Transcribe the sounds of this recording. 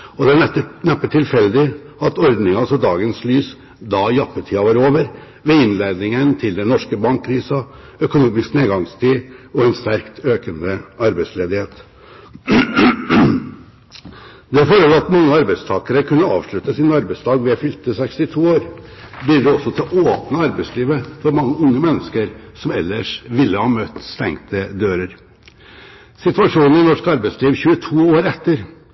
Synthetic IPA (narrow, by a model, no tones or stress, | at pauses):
ɔd̪ɛæɛnɛpːəʈʰɪlfɛld̪ɪ | ɑt̪ɔɾd̪nɪŋəɑsɔd̪ɑːɡənslyːs | d̪ɑjɑpːətʰiːɑʋɑɾoːʋəɾ | ʋɛɪnleːd̪nɪŋənt̪ʰɪld̪ɛnnɔʂkəbɑŋkʰːɾiːsɑ | œkʊnuːmɪskneːɡɑŋst̪ʰiːɔɛnst̪æɾkt̪ʰøːkənd̪əɑɾbæɪsleːd̪ɪheːt̪ | d̪ɛɑfoːɾəlɑt̪ːmɑŋːəɑɾbæɪst̪ʰɑːkəɾəkʰʉnːəɑ̰ːʋʂɭʉt̪ːəsɪnɑɾbæɪsd̪ɑːɡʋɪɑfʏlt̪əsɛkst̪ɪt̪ʰuːoːɾ | blɪːɖ̪ɛɔsːɔt̪ʰɪlʔoːpnəɑɾbæɪsliːʋəfɔɾmɑŋːəʊŋːəmɛnːəskəɾsɔmɛlːəʂʋɪlːəhɑːmœt̪ːst̪ɛŋt̪ʰəd̪øːɾəɾ | sɪt̪ʋɑʂuːnn̩ɪnɔʂkɑɾbæɪsliːʋçʉːət̪ʰuːoːɾɛt̪ːəɾ